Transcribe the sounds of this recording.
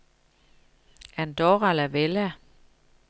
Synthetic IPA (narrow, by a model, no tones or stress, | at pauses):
ænd̥ɔʁælæʋelæ